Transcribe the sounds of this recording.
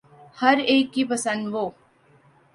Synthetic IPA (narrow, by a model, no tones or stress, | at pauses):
hɐɾeːkːipəsə̃nd̪ʋoː